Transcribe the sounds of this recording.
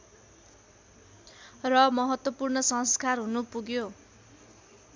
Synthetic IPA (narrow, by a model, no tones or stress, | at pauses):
rʌmʌɦʌt̪wʌpurnʌsʌŋskarɦunupuɡjo